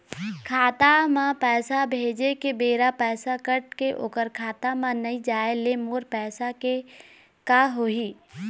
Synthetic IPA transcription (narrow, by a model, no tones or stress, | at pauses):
kʰaːt̪amãpɛːsabʱeːd͡ʒekebeːɾapɛːsakəʈkeʔo̰ːkəɾkʰaːt̪amãnəĩd͡ʒaːelemoːɾpɛːsake | kaɦoiː